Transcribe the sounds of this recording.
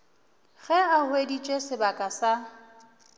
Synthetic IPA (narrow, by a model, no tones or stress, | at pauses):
ɣɛahwedit͡ʃʼesɪbakʼasa